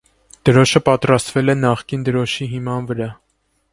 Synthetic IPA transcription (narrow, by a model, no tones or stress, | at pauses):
d̪̥əɾɔʃəpɑt̪ɾɑst̪vɛlɛnɑχkind̪əɾɔʃiɦimɑnvəɾɑ